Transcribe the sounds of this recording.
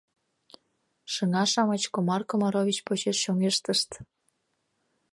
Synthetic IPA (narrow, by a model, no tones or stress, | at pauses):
ʃəŋɑʃɑmɑt͡ɕkomɑrkomɑɾovʲit͡ɕpot͡ɕeʃʃoŋeʃt̪əʃt̪